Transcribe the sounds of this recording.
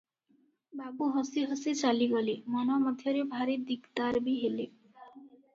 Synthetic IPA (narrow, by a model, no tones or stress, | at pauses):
babuɦɔsiɦosit͡ʃaliɡɔlemɔnɔmɔd̪ʱjɔɾebʱaɾid̪ikt̪aɾbiɦele